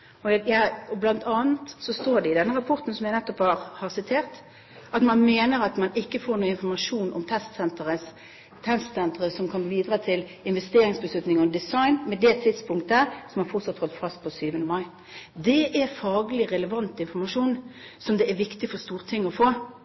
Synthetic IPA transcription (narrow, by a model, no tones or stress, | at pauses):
ɔjæɔblɑnt̪ʰɑːnt̪sɔst̪oːɾɖɛɪd̪ɛnːəɾɑpʰɔɾt̪n̩sɔmjæɪnɛt̪ːɔphɑːɾhɑʁsɪt̪ʰeːʁt̪ | ʔɑt̪mɑnmeːnəɾɑt̪mɑnɪkːəfoːɾnuːəɪnfɔɾmɑʂuːnʔɔ̰mt̪ʰɛst̪sɛnt̪əɾəs | t̪ʰɛnst̪sɛnt̪əʁəsɔmkʰɑnboʋiːd̪ɾɑːt̪ʰɪlɪnʋɛst̪eːɾɪŋsbəslʉt̪nɪŋɔd̪ɪsɑɪnmɛd̪ɛt̪ʰːɪt̪spʰʊŋkt̪əsɔmhɑɾfɔt̪sɑt̪hɔlt̪fɑst̪̚pʰɔsyːʋənəmɑɪ | d̪ɛʔæɾfɑːɡəlɪɾɛləʋɑnt̪ɪnfɔɾmɑʂuːn | sɔmd̪ɛːɾʋɪkt̪ɪfɔst̪uːʁət̪ʰɪŋːɔfoː